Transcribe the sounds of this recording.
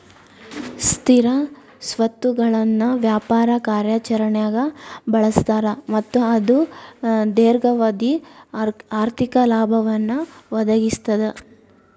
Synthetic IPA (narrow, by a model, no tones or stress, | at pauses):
st̪ʰiɾɐ | sʋɐt̪ːuɡɐɭɐnːuʋjaːpaːɾɐkaːɾjaːt͡ʃɐɾɐɳjaːɡɐbɐɭɐst̪aːɾɐmɐt̪ːuɐd̪u | d̪eːɾɡɐʋɐd̪i | aːɾt̪ʰikɐlaːbʱɐʋɐnːuʋɐd̪ɐɡist̪ɐd̪e